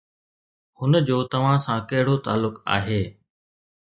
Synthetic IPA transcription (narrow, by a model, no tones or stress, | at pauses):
hʊnəd͡ʑoːt̪ɐʋ̤ãsãkɐɦɪɽ̤ot̪a̰ːlʊka̰ːɦeː